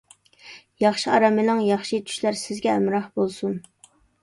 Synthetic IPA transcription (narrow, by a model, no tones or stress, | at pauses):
jɑχʃiɑɾɑmɪlɨŋjɑχʃit̪ʰy̥ʃlæɾsɪzɡʲɛːmɾɑhbolˠsun